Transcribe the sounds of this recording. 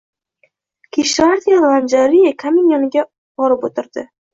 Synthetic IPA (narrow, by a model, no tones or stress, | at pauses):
kʲʰiʃaɾt̪ijalˠand͡ʒaɾijakʰamɪnjɒnɪɡʲa | b̥ɒɾɪpot̪ʰɪɾd̪ɪ